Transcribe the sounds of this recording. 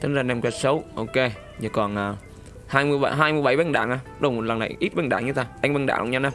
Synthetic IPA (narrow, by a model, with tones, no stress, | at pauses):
t̪ʰə˨˦ŋzaː˧˩nɛ˧mkwɛ˧˥t̚sə˨˦wʔo˧ke˧ | ɲə˨˧˩kɔ˨˩nʔaː˨˩ | haː˧jmɨ˧əj̰ɦaː˧jmɨ˧əjɓa˧˩jɓe˧˩nɗa̰ː˧˩ŋʔaː˧˩ɗo˨˧˩wmo˨˩t̚lə˨˩nːa̰˨˩jʔi˦˥t̚ɓe˨˧˩nɗa̰ː˧˩ŋɲɨ˧t̪ʰa˧˩ʔa˧jŋɓe˧˩nɗa̰ː˧˩˨ʔa̰˧˨˩ɲa˧na˧˩